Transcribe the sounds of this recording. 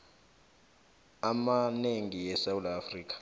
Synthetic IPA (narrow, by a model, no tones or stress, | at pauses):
amaneŋijɛsawudafriːkʰḁ